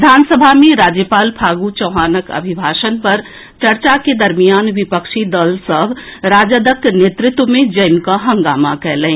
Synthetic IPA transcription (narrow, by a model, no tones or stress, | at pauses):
d̪ʱansəbʱameɾad͡ʒjəpaːlpʰaɡut͡ʃəʊɦanəkə̰bʱibʱaʃənpəɾ | t͡ʃəɾt͡ʃaked̪əɾmijanʋipəkʃid̪əlsəbɾad͡ʒəd̪əknet̪ɾɪt̪wmẽd͡ʒəjmkaɦə̃ŋɡamakɛlɛ̃